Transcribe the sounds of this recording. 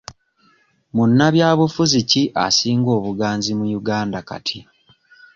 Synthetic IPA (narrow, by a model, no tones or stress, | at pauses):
munːaβjaːβufuziciʔa̰siːŋɡo̞ːβuɡaːnzimujuɡaːndaka̰tʰi